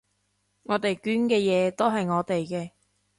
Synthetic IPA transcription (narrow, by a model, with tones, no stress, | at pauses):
ŋɔː˨˧t̪e˨jkyː˨˥nkɛː˧jɛː˨˧t̪o˥wɦɐ˨jŋɔː˨˧t̪e˨jkɛː˧